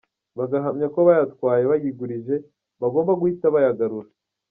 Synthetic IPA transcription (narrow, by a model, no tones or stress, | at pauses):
βaɡaɦamɲako̞βajatkwaːje̞βajiɡuɾiʒe̞ | βaɡo̞ːmbaɡuhitaβajaɡaɾuɾa